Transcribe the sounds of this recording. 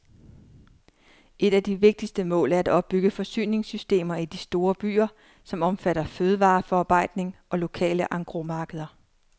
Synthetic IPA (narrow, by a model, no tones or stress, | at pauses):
ʔe̝ɾ̥æd̥iʋe̝ɡ̥̚d̥isd̥əmɔ̰̽ːlæɐæd̥ɒ̽b̥̚ːyɡ̥əfɒ̽sy̰ːne̝ŋsysd̥e̝̰ːmɐid̥isd̥o̝ːɐb̥y̰ːɐ | sɒ̽mɒ̽mfæɾ̥ɐføːð̞ˠəʋɑ̈ːfɒɑ̈ːb̥ɑ̈ɪ̰d̥ne̝ŋɒ̽lo̝kʰɛ̰ːləʔɑ̈ŋɡ̥ʁo̝mɑ̈ːɡ̥əð̞ˠɐ